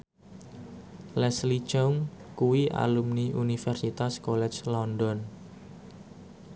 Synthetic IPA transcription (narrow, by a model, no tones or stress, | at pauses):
lɛslit͡ʃɔŋ | kuwiʔa̰lumniʔunifɛrsit̪askɔlɛt͡ʃlɔndɔn